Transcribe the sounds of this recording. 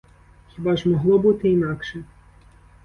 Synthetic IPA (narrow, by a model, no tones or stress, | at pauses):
xʲibɑʒmɔɦlˠɔbut̪ɪinɑkʃɛ